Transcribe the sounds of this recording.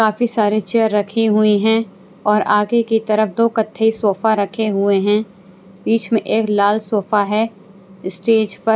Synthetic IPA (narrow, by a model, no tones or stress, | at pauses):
kaːfisaːɾet͡ʃeːəɾːɐkʰiɦʊiɦɛ̃ | ɔːɾʔaːɡekit̪ɐɾəfd̪oːkɐt̪ʰːəisoːfaɾɐkʰeɦʊeɦɛ̃ | biːt͡ʃmẽʔeːklaːlsoːfaɦɛ | ɪsʈeːd͡ʒpɐ